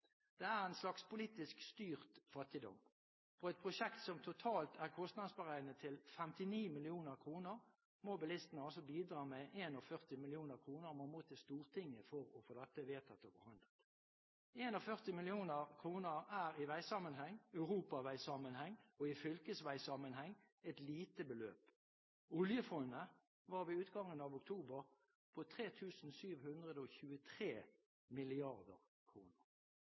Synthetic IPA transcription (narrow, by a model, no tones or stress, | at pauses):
d̪̥ɛæʁæɪnslɑkspʊliːt̪ɪskst̪yːʁt̪fɑt̪ːɪd̪ɔ̰m | fɔɛɪt̪̚pʰʁʊʃɛkt̪sɔmt̪ʰʊt̪ʰɑːlt̪ʰæʁkʰɔst̪nɑd̪sbəʁæɪnət̪ʰɪlfɛmt̪ɪniːmɪlɪuːnəʁkʰʁuːnəʁ | mobɪlɪst̪ənəɑlsɔbiːd̪ʁɑːmɛʔeːnɔfœʁt̪ɪmɪlɪuːnəʁkʰʁuːnəʁmomoːt̪ʰɪst̪uːʁt̪ʰɪŋːəfɔʁɔfɔd̪ɛt̪ːəʋeːt̪ʰɑt̪əfɔhɑnd̪ət̪ | eːnɑfœʁt̪ɪmɪlɪuːnəʁkʰʁuːnəʁæːʁɪʋæɪsɑmənɦɛŋːœʉʁuːpɑʋæɪsɑmənhɛŋːɔɪfʏlkəsʋæɪsɑmənhɛŋː | ɛt̪liːt̪əbəlø̰ːp | ʊljəfɔnːə | ʋɑːʁʋɪʉːt̪ɡɑŋːənɑʋʊkt̪ʰuːbəʁ | pʰɔt̪ʰʁeːt̪ʰʉːsn̩syːʋhʉnd̪ʁəd̪əɔçʉːət̪ʰʁeː | mɪlɪɑʁd̪ə̰ʁ | kʰʁuːnəʁ